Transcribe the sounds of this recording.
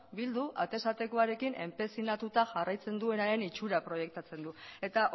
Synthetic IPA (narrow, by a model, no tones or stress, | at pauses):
bild̪uʔat̪e̞sat̪e̞ko̞aɾe̞kinʔe̞mpɾe̞sinat̪ut̪aʝarajt͡se̞nd̪ue̞naɾe̞nit͡ʃuɾapɾo̞je̞k̚t̪at͡se̞nd̪ue̞t̪aʔ